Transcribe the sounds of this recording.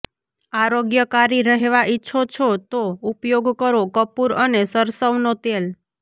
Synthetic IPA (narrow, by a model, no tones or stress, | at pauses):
aɾoɡjəkaɾiɾəɦeʋaʔitːʃʰot͡ʃʰot̪oupjoɡkəɾokəpuɾənesəɾsəwnot̪el